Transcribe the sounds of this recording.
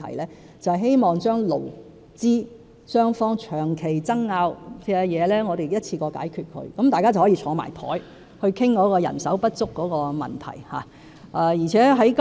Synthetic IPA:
ɐ̰˨˩jlɛː˥ | t͡sɐ˨hɐ˨jɦe˥jmɔː˨ŋt͡ʃœː˥ŋlo̰˨˩w | t͡siː˥ | sœː˥ŋfɔː˥ŋt͡ʃʰœː˨˩ŋkʰe˨˩jt͡sɐ˥ŋːaː˧wkɛ˧jɛː˨˧lɛː˥ŋɔː˨˧ɾe˨jjɐ˥t̚t͡sʰiː˧kɔː˧ka̰ː˨˥jkʰyː˧t̚kʰɵ̰˧ɥkɐ˨˦mt̪aː˨jkaː˥t͡sɐ˨whɔː˨˥iː˧t͡ʃʰɔː˨˧˥ma̰ː˨˩jt̪ʰɔ̰ː˨˥j | hɵ˧ɥkʰɪ˥ŋkɔː˨˥kɔː˧jɐ̰˨˩nsɐ̰˨˥wpɐ˥t̚t͡sʊ˥kːɔː˨˥kɔː˧mɐ̰˨nt̪ʰɐ̰˨˩jha̰ː˨˦ | ʔaː˨˩jiː˨˩t͡sʰɛː˨˥ɦɐ˨˥jk

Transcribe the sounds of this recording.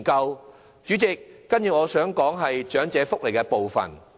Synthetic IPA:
kɐ˧w | t͡ʃyː˨˥t͡sɪ˨k̚ːɐ˥njiː˧ŋɔː˨˧sœː˨˥ŋkɔː˨˥ŋɦɐ˨jt͡ʃœː˨˥ŋt͡sɛː˨˧fʊ˥k̚le˨˩kɛː˧po˨wfɐ̰˨˩n

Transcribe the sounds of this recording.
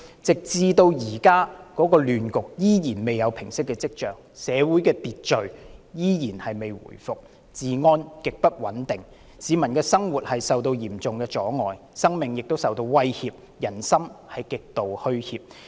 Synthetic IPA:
t͡sɪ˨k̚t͡siː˧t̪o˧wjiː˨˩kaː˥kɔː˨˥kɔː˧lyː˨nkʊ˨k̚jiː˥jiː˨˩nme˨jːɐ˨˧wpʰɪ˨˩ŋsɪ˥kːɛː˧t͡sɪ˥k̚t͡ʃœː˨ŋ | sɛː˨˧wuː˨˥jkɛː˧t̪iː˨t̚t͡ʃɵ˨ɥjiː˥jiː˨˩nhɐ˨jme˨jwṵ˨˩jfʊ˨k̚ | t͡siː˨ŋɔː˥nkɪ˨k̚pɐ˥t̚wɐ˨˥nt̪ɪ˨ŋ | siː˨˧mɐ˨˩nkɛː˧sɐ˥ŋwuː˨˩t̚hɐ˨jsɐ˨wt̪o˧wjiː˨˩mt͡sʊ˨ŋkɛː˧t͡ʃɔː˨˥ŋɔː˨j | sɐ˥ŋmɪ˨ŋjɪ˨k̚t̪o˥wsɐ˨wt̪o˧wwɐ˥jhiː˧p̚ | jɐ˨˩nsɐ˥mhɐ˨jkɪ˨k̚t̪o˨whɵ˥ɥhiː˧p̚

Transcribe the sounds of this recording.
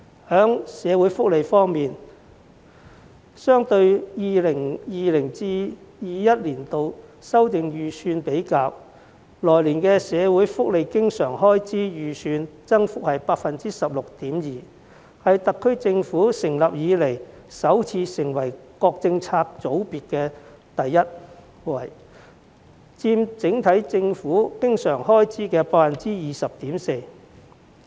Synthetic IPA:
hœː˨˥ŋsɛː˨˧wuː˨˥jfʊ˥k̚le˨˧jfɔː˥ŋmiː˨n | sœː˥ŋt̪ɵ˧ɥjiː˨˧lɪ˨˩ŋjiː˨lɪ˨˩ŋt͡siː˥jiː˨˧jɐ˥t̚liː˨˩nt̪o˨˧wsɐ˥wt̪ɪ˨ŋjyː˨˩sʰyː˧npe˨˥jkaː˧w | lɔː˨˩jliː˨˩nkɛː˧sɛː˨˧wu˨˥jfʊ˥k̚le˨jkɪ˥ŋsœː˨˩ŋhɔː˥jt͡siː˥jyː˨˩syː˧nt͡sɐ˥ŋfʊ˥k̚hɐ˨jpaː˧k̚fɐ˨nt͡siː˥sɐ˨p̚lʊ˨k̚t̪iː˨˥mjiː˨˩ | hɐ˨jt̪ɐ˨kʰːɵ˥ɥt͡sɪ˧ŋfuː˨˥sɪ˨˩ŋlɐ˨p̚jiː˨˧le˨˩j | sɐ˨˥wt͡sʰiː˧sɪ˨˩ŋwɐ˨˩jkɔː˧k̚t͡sɪ˧ŋt͡sʰaː˧k̚t͡so˨˥wpiː˨˩t̚kɛː˧t̪ɐ˨jːɐ˥t̚ | wɐ˨˩j | t͡siː˧mt͡sɪ˨˥ŋt̪ʰɐ˨˥jt͡sɪ˧ŋfuː˨˥kɪ˥ŋsœː˨˩ŋhɔː˥jt͡siː˥kɛː˧paː˧˥kfɐ˨nt͡siː˥jiː˨sɐ˨p̚t̪iː˨˥mse˧j

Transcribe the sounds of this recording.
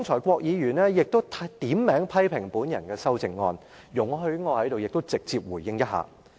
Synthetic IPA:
ʊ˥ŋt͡ʃʰɔː˨˩jkʷɔː˧k̚jiː˨˧jyː˨˩nɛː˥jɪ˨k̚t̪o˥wt̪ʰt̪iː˨˥mːɛː˨˥ŋpʰɐ˥jpʰɪ˨˩ŋpuː˨˥njɐ˨˩nkɛː˧sɐ˥wt͡sɪ˨ŋːɔ̰ː˧n | jʊ˨˩ŋɦɵ˧ɥŋɔː˨˧hɐ˨˥jt̪o˨wjɪ˨k̚t̪o˥wt͡sɪ˨k̚t͡siː˧p̚wuː˨˩jːɪ˥ŋjɐ˥t̚ha̰ː˨˩

